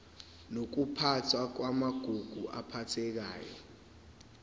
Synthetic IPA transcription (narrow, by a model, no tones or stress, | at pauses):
nok̬upʰatʰwak̬wamaɡ̥ʱuɡ̥ʱuʔa̰pʰatʰɛk̬a̰ːjɔ̰